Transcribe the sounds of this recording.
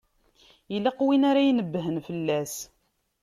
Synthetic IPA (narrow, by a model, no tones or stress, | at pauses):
jəlːɑqwinaɾajnəbːɦənfəlːæs